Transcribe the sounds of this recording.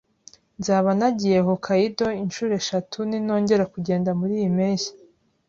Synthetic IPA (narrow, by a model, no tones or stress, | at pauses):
nzaːβanaɟijeɦokʰaido̞inʃuːɾe̞ʃatʰunino̞ːɲɟe̞ɾakuɟe̞ːndamuɾiːjimeːsḁ